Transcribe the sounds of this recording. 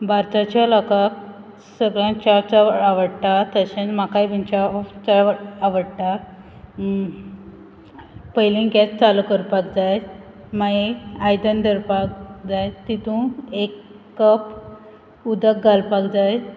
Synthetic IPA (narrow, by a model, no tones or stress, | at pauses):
bʱaɾt̪at͡ɕaləkak | səɡɭjãt͡ɕaft͡saaʋəɽt̪at̪əɕẽt͡smakajbʱənt͡ɕaft͡saaʋəɽʈ̪a | pəjlĩɡet͡st͡salukəɾpakd͡zaj | maeajd̪ənd̪əɾpak̚d͡zajt̪it̪ũekː | əp | ud̪ək̚ɡalpakd͡zaj